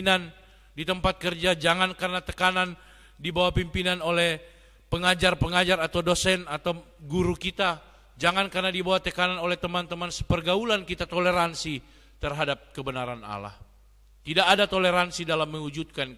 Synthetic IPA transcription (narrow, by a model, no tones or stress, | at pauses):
inan | dit̪əmpat̪̚kərd͡ʒad͡ʒaŋankərnat̪əkanan | dibawapimpinanolɛh | pəŋad͡ʒarpəŋad͡ʒaɾat̪awdosɛnat̪aw | ɡuɾukit̪a | d͡ʒaŋankərnadibawat̪əkananolɛht̪əmant̪əmansəpərɡaulankit̪at̪oleɾansi | t̪ərɦadap̚kəbənaɾana̰la̰h | t̪idakadat̪oleɾansidalamːəŋud͡ʒut̪̚kan